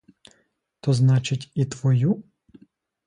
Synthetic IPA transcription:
t̪ɔznɑt͡ʃɪtʲit̪ʋɔju

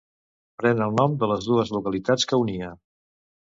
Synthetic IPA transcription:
pɾɛnəlˠnɔmd̪ələzðuəzlukəlit̪at͡skəuniə

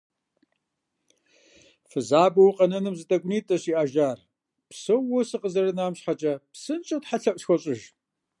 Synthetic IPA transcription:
fɨzaːbɐwqʼɐnɐnɨmzɨtʰʼɐɡʷʊniːtʼɐɕiʔaːʒaːr | psɐwʊsɨqʼəzɐrɐnaːmɕħat͡ʃʼɐpsɨnt͡ʃʼɐtħaɬɐpʼɕxʷɔɕʼɪʒ

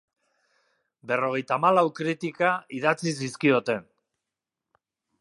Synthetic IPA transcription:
be̞ro̞ɣe̞jt̪amalawkɾit̪ikaiðat͡sis̬iskio̞t̪e̞n

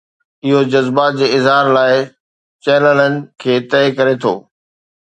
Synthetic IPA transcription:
ɪɦod͡ʑɐzbad͡ʑeːɪzɦaːɾlaːɪ | t͡ɕɛːlələnɪ̆kʰeːt̪ɛːkɐɾet̪ʰo̰ː

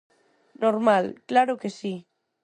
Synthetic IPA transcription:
noɾmalklaɾokesi

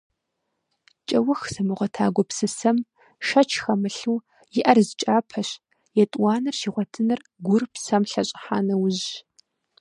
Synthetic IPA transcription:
t͡ʃʼɐwʊxsɐmɨʁʷɔtʰaːɡʷɔpsɨsɐm | ʃɐt͡ʃʰxɐmɨɬuː | jɪʔɐrzɨt͡ʃʼaːpʰɐɕ | jɛtʼwɑːnɨrʃiːʁʷɔtʰɨnɨr | ɡʷʊrpsɐmɬɐɕʼɪħaːnɐwʊʑ

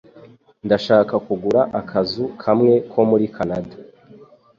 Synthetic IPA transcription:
ndaʃaːkakuɡuɾaʔakʰazukʰamŋe̞kʰo̞muɾikʰanadḁ

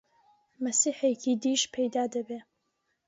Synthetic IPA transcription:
mɐsiːħekid̪iʃpʰejd̪aːd̪ɐbe

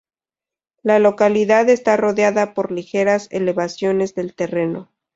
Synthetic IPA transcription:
lalo̞kaliðaðe̞st̪aro̞ðjaðapo̞ɾlixe̞ɾasḛle̞βasjo̞ne̞zðe̞lt̪e̞re̞no̞

